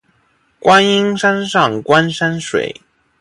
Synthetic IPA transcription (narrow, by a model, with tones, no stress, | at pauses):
kwa˥ni˥ŋʂa˥nʂɑ˥˩ŋkwa˥nʂa˥nʂwḛ˨˩˦ɪ